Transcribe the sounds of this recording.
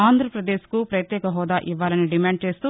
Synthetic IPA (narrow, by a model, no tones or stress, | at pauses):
aːnd̪ʱɾɐpɾɐd̪eːskupɾɐjɐt̪jɛːkɐɦɔːd̪aːʔiʋːaːlɐniɖimaːɳɖ̚t͡ʃe̞ːst̪u